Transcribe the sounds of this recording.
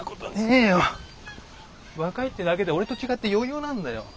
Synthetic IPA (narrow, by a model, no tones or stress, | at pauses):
kot̪oneːjo | βakait̪ːenaɡe̞d̪eo̞ɾe̞t̪o̞t͡ɕiɡat̪ːejo̞ːjoːnãnd̪ajo̞̰